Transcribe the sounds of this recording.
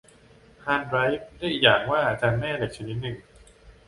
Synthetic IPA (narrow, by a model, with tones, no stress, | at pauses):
haː˧nɾa˦˥jf̚da˥˩ʔiː˨˩k̚jaː˨˩ŋwaː˥˩ʔaː˧t͡ɕaː˧nmɛː˥˩le˨˩k̚t͡ɕʰa˧ni˦˥t̪̚nɯ˨˩ŋ